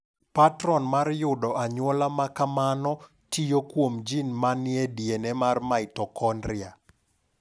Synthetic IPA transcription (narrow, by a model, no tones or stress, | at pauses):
patɾɔnmarjʊdɔʔaɲwɔlamakamanɔ | tʰijokwomd͡ʒinmanɪɛdjenɛmarmaɪtɔkɔndɾɪa